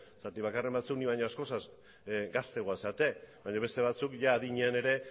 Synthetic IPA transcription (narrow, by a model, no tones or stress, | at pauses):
sat̪iβakare̞mbat͡sukniβaɲo̞asko̞saz | ɡast̪eɣoasat̪e̞βaɲoβ̞e̞st̪e̞β̞at͡sukʝaːðiɲeane̞ɾe̞